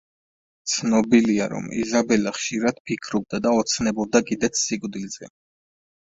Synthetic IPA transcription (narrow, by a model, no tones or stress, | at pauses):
t̪sʰnɔbiliaɾɔ̰mḭzabɛlaχʃiɾad̪̥̚pʰikʰɾɔb̚d̪ad̪aɔt̪sʰnɛbɔb̚d̪akʼid̪ɛt̪sʰsikʼd̪ilzɛ